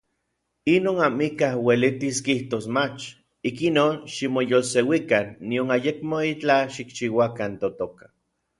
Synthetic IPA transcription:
inoːnamikahwelit̪iskiht̪osmat͡ʃ | ikinoːnʃimojolsewikanːionajekmoit͡ɬaʃikt͡ʃiwakant̪ot̪okḁ

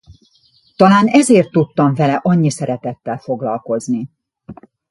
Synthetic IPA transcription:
t̪ɒlaːnɛzeːrt̪ːut̪ːɒɱvɛlɛʔɒɲːisɛɾɛt̪ɛt̪ːɛlfo̞ɡlɒlko̞zni

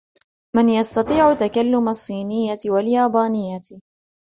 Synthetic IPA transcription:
mɪnjɑst̪ɑt̪ˤiːʕʊt̪akalːʊmasˤːiːnɪjːawaljaːbaːnɪjːa

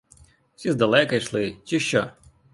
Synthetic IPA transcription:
w̥sʲizd̪ɐlˠɛkɐjiʃlˠɪt͡ʃɪʃt͡ʃːɔ

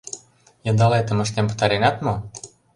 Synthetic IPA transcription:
jɤ̆nd̪ɑleet̪ə̆mə̆ʃt̪empə̥t̪ɑɾenɑt̪mo

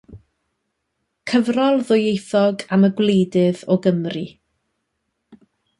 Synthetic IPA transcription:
kʰəvrɔlˠðʊjejθɔɡaməɡwlejdɪvɔɡəmri

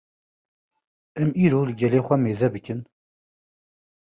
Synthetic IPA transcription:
ɛmiːɾoːlɨɡɛleːxʷɛmeːzɛbɨkɨn

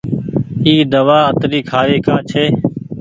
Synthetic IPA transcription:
iːd̪əʋaːət̪ɾiːkʰaːɾeːkãːt͡ʃʰeː

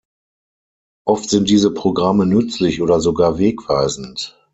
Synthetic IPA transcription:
ʔɔftz̥ɪnt̚d̥iːzəpʁ̥oɡʁamənʏt͡slɪçʔoːdɐzoɡaːɐveːkv̥aɪzn̩t

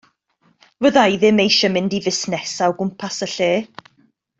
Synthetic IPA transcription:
vəðajðɪmejʃəmɪndivɪsnɛsawɡʊmpʰasəɬeː

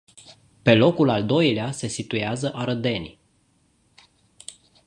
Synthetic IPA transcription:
pe̞lo̞kulald̪o̞jlease̞sit̪ujeazəʔaɾəd̪e̞nʲ

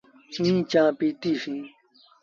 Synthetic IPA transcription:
ĩːt͡ʃãːpit̪iʂĩ

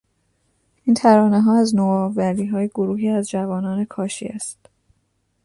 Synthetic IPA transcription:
ʔiːnt̪ʰæɾɒːne̞ɦɒːæznoːvæliːɦɒːje̞ɡoɾuːɦiːæzd͡ʒævɒːnɒːne̞kʰɒːʃḭæst̪

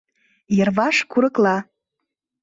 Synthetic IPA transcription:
jə̆rvɑʃkuɾɤklˠɑ

